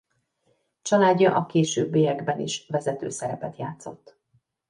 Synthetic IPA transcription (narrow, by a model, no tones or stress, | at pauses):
t͡ʃɒlaːdːɒʔɒkeːʃøːbːeːjɛɡbɛnḭʃvɛzɛt̪ø̰ːsɛɾɛpɛt̪jaːt̪so̞̰t̪ː